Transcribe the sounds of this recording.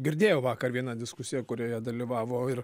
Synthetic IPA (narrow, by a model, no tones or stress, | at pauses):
ɡʲɪɾʲd̪ʲeːjoːʋɑːkɐrʋʲiɛnɑd̪ʲɪskʊsʲɪjɛkʊɾʲoːjɛd̪ɐlʲiːʋɑːʋoːɪr